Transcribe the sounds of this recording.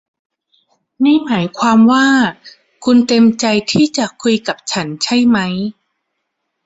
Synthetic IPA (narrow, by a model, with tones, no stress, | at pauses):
na˥˩jmaː˩˦jkʰwaː˧mwaː˥˩ | kʰu˧nt̪e˧mt͡ɕa˧jt̪ʰiː˥˩t͡ɕa˨˩kʰu˧jka˨˩p̚t͡ɕʰa˦˥nt͡ɕʰa˥˩jma˦˥j